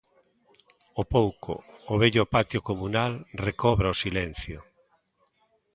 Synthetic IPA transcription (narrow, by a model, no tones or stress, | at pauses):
opowko̰ːβɛʎʊpat̪jokomunalrekɔβɾaosilɛn̟θjo